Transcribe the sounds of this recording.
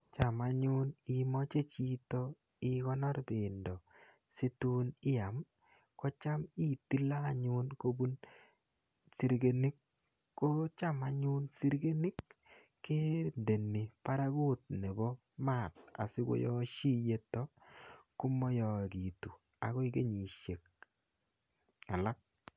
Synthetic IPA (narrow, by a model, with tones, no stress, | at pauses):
t͡ʃa˨ma˨ɲʊ˦ni˨mɔ˦t͡ʃe˦t͡ʃi˦tɔ˦ | ɪ˦ɣɔ˦nɔ˦ɾbɪ˨ndɔ˨ | si˦tu˦nɪ˦a˨m | kɔ˦t͡ʃa˦mi˦ti˦la˦˨ɲʊ˦nko˦bu˦n | si˨˦ɾɡe˨ni˦kː | o˦t͡ʃa˦ma˨ɲʊ˦nsi˦ɾɡe˦ni˦kː | e˦nde˨ni˨pa˦ɾa˦ɡu˦t̚ne˨bɔ˦ | ma˦˨t̚a̰˨si˦ɡo̰˦jɔ˦ʃi˦je˦tɔ˦ku˦mɔ˦jɔ˨ki˨tu˨ | a̰˨ɡɔ˦i˦ɡe˦ɲi˨ʃe˨k̚ | a˨la˦k̚